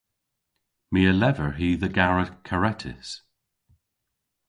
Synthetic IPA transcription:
miəlɛvəɹɦiːðəɡaɹəkʰəɹɛtʰɪ̰s

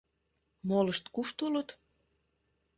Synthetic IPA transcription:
moləʃt̪kuʃt̪ulət̪

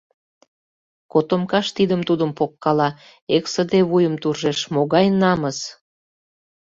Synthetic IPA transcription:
kot̪omkɑʃt̪id̪əmt̪ud̪əmpokːɑlɑ | eksəd̪eβujəmt̪urʒeʃmoɣɑjnɑməs

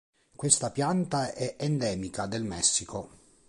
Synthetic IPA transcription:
kwest̪apjant̪aɛʔɛnd̪ɛːmikad̪elmɛsːikʰo

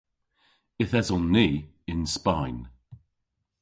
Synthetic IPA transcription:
ɪθɛzɔnːiː | ɪnspajn

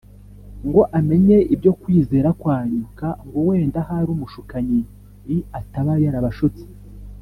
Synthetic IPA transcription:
ŋɡo̞ʔame̞ɲe̞ibɟo̞kwiːze̞ːɾakwaːɲukaŋɡowe̞ːndahaɾumuʃukaɲi | jiataβaɾaɾaβaʃut͡si̥

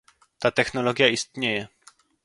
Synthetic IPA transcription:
t̪at̪ɛxnɔlɔɡʲjaist̪ɲejɛ

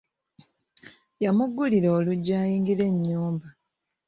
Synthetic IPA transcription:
jamuɡːuliɾo̞ːluɟːaːjiːŋɡile̞ɲːuːmba

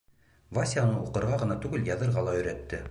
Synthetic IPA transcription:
vasʲianɤuqɤ̆ɾʁɑʁɤ̆nɑt̪ʉɡɘljɑðɤ̆ɾʁɑlˠɑɵ̆jɾæt̪ːɘ

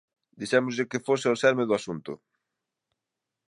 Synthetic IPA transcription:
d̪iʃɛmʊzʎɪkɪfosɪɔsɛɾmɪðʊasunt̪ʊ̰

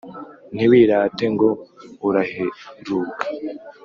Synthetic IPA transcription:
niwiːɾaːteŋɡo̞uɾaheɾuːkḁ

